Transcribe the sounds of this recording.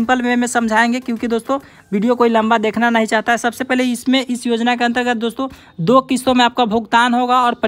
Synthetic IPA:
mpəlmemẽsə̃md͡ʒʱaẽŋɡekjõːkid̪oːst̪õ | ʋiːɖijokoːilɐ̃mbad̪eːkʰnanəɦĩt͡ʃaːɦt̪aɦɛsəbsepɛɦleɪsmẽʔɪsjoːd͡ʒnakeɐ̃nt̪əɾɡət̪̚ʰd̪oːst̪õ | d̪okɪsõmẽaːp̚kabʱoɡt̪aːnɦoɡaɔːɾp

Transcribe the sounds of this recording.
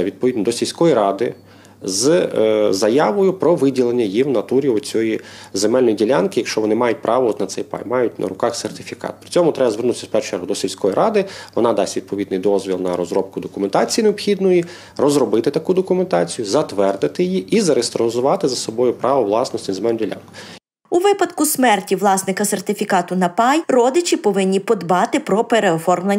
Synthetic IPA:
ʋʲid̪̚pɔʋʲid̪nd̪ɔsʲilʲsʲkɔjiɾɑd̪ɪ | z | zɐjɑʋɔjʊpɾɔʋɪdʲilˠenʲːɐjiwnɐt̪uɾʲiɔt͡sʲɔjizemɛlʲnɔjidʲilʲankɪjɐkʃt͡ʃɔʋɔnɪmɑjʊt̚ʲpɾʔɑʋɔɔt̪nɐt̪sɛjpɑ̰jmɑjʊtʲnʔɐ̰ɾʊkɑxsert̪ɪfʲikɑ̰t̪̚pɾɪ̥t͡sʲɔmʊt̪ɾɛbɐzʋernuʊɪsʲɐspɛt͡ʃɛɾɦʊd̪ɔsʲilʲsʲkɔjiɾʔɑd̪ɪʋɔnɑd̪ɑsʲtʲʋʲid̪̚pɔʋʲid̪nɪjd̪ɔzʲʋʲilˠnɐɾɔzɾɔp̚kʊd̪ɔkʊment̪ɑt͡sʲijineɔpxʲid̪nʊji | rɔzɾɔbɪt̪ɪt̪ɐkud̪ɔkʊment̪ɑ̰t͡sʲijʊzɐt̪ʋɛrd̪ɪt̪ɪjjiʔizɐɾest̪ɾɔɔzʊʋɑt̪ɪzɐsɔbɔjʊpɾɑʋɔʋlˠɑsnɔsʲt̪ʲɪzmɛndʲilʲa̰nkʊ | uʋɪpɐd̪kʊsmɛrtʲiʋlˠɑsnɪkɐsert̪ɪfʲikɑt̪ʊnɐpɑjrɔd̪ɪt͡ʃʲipɔʋɪnʲːipɔd̪bɑt̪ɪpɾɔpeɾeɔfɔrmlˠɐ

